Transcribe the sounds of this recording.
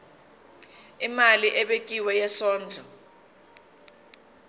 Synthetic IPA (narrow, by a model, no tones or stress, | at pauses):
imaliʔɛɓek̬ʼiwɛjɛsɔːnd͡ɮʱɔ